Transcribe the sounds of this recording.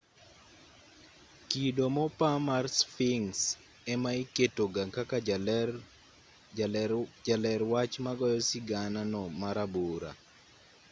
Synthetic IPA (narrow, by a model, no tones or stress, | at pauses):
kidomɔpamarsfiŋs | ɛmaiketoɡaŋkaka | d͡ʒalɛɾwat͡ʃmaɡɔjɔsiɡananɔmaɾaboɾa̰